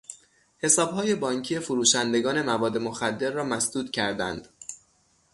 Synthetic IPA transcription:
he̞sɒːbhɒːje̞bɒːŋcʰijefoɾuːʃænd̪e̞ɡɒːne̞mævɒːd̪emoxæd̪ːe̞ɾːɒːmæsd̪uːd̪cʰæɾd̪æ̰nd̪̥

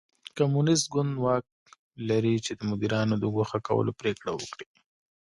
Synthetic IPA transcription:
kamunɪs̬t̪̚ɡʊnd̪wɑk̚ | laɾit͡ʃed̪əmʊd̪iɾɑnod̪əɡoxaka̰wə̰lopɾekɽawə̰kɽi

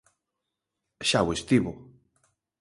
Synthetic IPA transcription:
ʃawest̪iβʊ

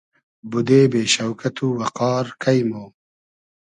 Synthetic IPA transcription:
bud̪eːbeːɕɐwkɐt̪uwɐqɑːɾkʰɐjmoː

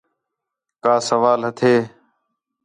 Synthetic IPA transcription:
kaːsəʋaːlɦət̪ʰeː

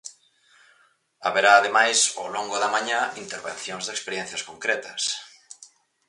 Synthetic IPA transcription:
aβeɾaːðemajso̰loŋɡʊðɐmãɲãint̪eɾβḛ̃n̟θjoŋzðekspeɾjɛn̟θjɐskoŋkɾɛt̪ɐs

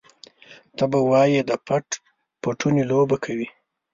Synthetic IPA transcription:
t̪abawɑjed̪əpaʈ | paʈunelobakʰawi

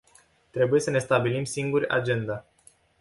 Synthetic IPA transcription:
t̪ɾe̞buje̞səne̞st̪abilimsiŋɡurʲa̰d͡ʒe̞nd̪a

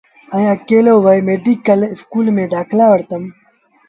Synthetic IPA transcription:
ɐjaːkeːloːwɐjmeːɖikɐlɪskuːlmẽːd̪aːklaːwɐɾt̪ɐm

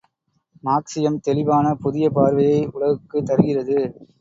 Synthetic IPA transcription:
maːksɪjɐmt̪ɛlɪbaːnɐpʊðɪjɐpaːɾʋɐjɐɪʊɭɐɣɯkːɯt̪ːɐɾɯɣɪrɐðɯ

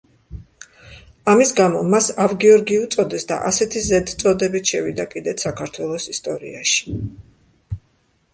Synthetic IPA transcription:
amisɡamɔmasavɡiɔɾɡiut̪sʼɔd̪ɛsd̪a̰ʔasɛt̪ʰizɛd̪t̪sʼɔd̪ɛbit̪ʰʃɛvid̪akʼid̪ɛt̪ʰsakʰaɾt̪ʰwɛlˠɔsist̪ʼɔɾḭaʃi̥

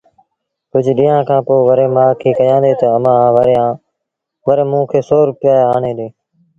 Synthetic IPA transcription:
kʊd͡ʒʱɗĩːjãːkʰãːpoːʋəɾeːmaːkʰiːkəjãːd̪eːt̪əəmãːʋəɾeãː | ʋəɾeːmũːkʰeːsoːɾʊpɪjaːeaːɳeːd̪eː

